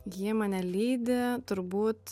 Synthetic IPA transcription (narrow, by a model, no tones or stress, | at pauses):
jiɛmɑːnʲɛlʲiːd̪ʲɪt̪ʊɾbuːt̪